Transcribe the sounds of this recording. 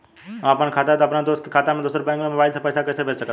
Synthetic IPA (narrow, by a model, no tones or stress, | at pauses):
ãɐpaːnkʰaːt̪at̪ːɐpnad̪oːs̚kʰikʰaːt̪amẽd̪oːsəɾbɛ̃ːŋɡnẽmobaːɪlsãpəːsakəːsbʱesəkəd̪